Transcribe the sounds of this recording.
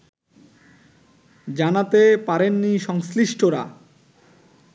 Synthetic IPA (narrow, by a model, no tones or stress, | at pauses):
d͡ʑanat̪epaɾenːiʃɔŋsliʃʈʰoɾa̰